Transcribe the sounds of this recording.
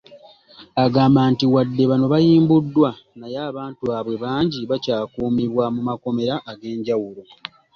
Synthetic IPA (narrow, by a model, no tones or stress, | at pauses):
aɡaːmbaːntiwadːe̞βano̞βajiːmbudːwa | najaːβaːntuβaβwe̞βaːɲɟiβacaːkuːmiβwamumako̞me̞ɾaʔːɡe̞ːɲɟawulo